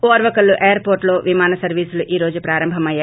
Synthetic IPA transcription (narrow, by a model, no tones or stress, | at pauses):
oːɾʋɐkɐluʔejɐɾpoːɾʈloːʋimaːnɐsɐɾʋiːsuluʔiːɾo̞ːd͡ʒupɾaːɾɐmbʱɐmɐjːaː